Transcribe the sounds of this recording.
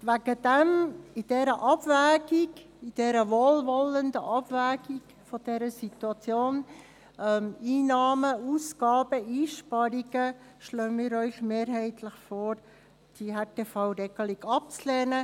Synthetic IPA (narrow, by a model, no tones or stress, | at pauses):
væɡ̥əd̥ɛmɪd̥ɛɾəʔɑb̥væːɡ̥ɪɡ | id̥ɛɾəʋolʋɔləndəʔɑb̥væːɡiɡ | fɔd̥ɛɾəsit̪uɑt͡sjoːn | ɛmiːnɑːməuːsɡ̥ɑːb̥əiːʃpɑɾiɡə | ʃlœːnmiːɾœʏçmeːɾɦɛɪtʰləχfoːɾ | d̥iɦɛteːfɑʊɾɛɡ̥əliɡɑp̚t͡slɛːnə